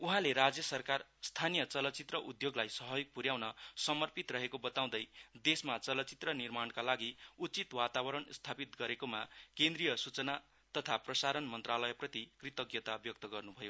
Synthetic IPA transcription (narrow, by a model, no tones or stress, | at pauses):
uɦãleɾad͡zjʌsʌrkarst̪ʰanijʌt͡sʌlʌt͡sit̪rʌʔud̪joɡlajsʌɦʌjk̚puɾjaw̃nʌsʌmʌrpit̪rʌɦekobʌt̪aw̃d̪ʌjd̪esmat͡sʌlʌt͡sit̪rʌnirmankalaɡiut͡sit̪wat̪abʌɾʌnst̪ʰapit̪ɡʌɾekomakẽnd̪rijʌsut͡sʌna | t̪ʌt̪ʰaprʌsaɾʌnmʌnt̪ralʌjeprʌt̪ikrit̪ʌɡjʌt̪abjʌk̚t̪ʌɡʌrnubʱʌjo